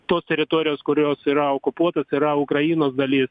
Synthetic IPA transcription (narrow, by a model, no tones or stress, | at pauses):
t̪oːsʲt̪ʲɛɾʲɪt̪oːɾʲɪjoːskʊɾʲoːsiːɾɐoːkʊpuɔt̪ɐsiːɾɐʊkɾɐjiːnoːsd̪ɐlʲiːs